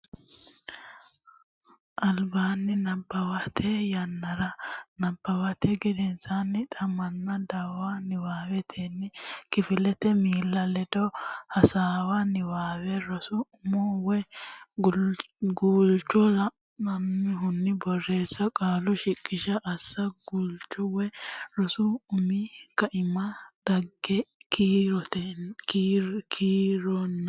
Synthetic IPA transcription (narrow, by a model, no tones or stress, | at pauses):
ʔɐlbaːnːɪnɐbːɐwɐt̪ʰɛjɐnːɐɾɐnɐbːɐwɐt̪ʰɛɡɪd̪ɛnsanːɪt̪ʼɐmɐnːɐd̪ɐwanɪwaːwɛt̪ʰeːnːɪkɪfɪlɛt̪ɛmiːlːɐlɛd̪ɔhɐsaːwɐnɪwaːwɛɾɔsʊʊmɔwɛ | ɡuːlt͡ʃːɔlɐ | nɐmːɪɦʊnːɪbɔrːe̞ːsːɐkʼaːlɔʃɪkʼːɪʃɐʔɐsːɐɡult͡ʃːɔwɛɾɔsʊʊmɪkɐʔɪmɐd̪̥ɐɡɛkit̪ː | kʰiːɾɔnː